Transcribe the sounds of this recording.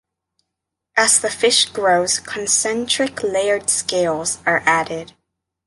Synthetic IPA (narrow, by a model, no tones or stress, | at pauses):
ʔɨz̥ðɨfɪʃɡ̥ɹoʊz̥kʰn̩sɛ̃nt͡ʃɹ̥ɨkleɪə˞d̥skeɪlˠz̥ə˞ʔæɾɪd̥